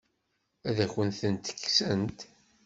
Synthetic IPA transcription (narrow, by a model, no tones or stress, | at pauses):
æðæçənθənt̪ə̥kːsənt̪